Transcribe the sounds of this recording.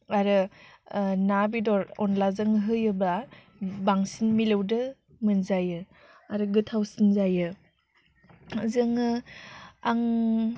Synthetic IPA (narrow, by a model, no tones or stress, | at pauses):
aɾɯ | nabidɔɾɔnlazɯŋɦɯjɯba | baŋsinmilɯwdɯ | mɯnzajɯ | aɾɯɡɯtʰawsinzajɯ | zɯŋɯ | aŋ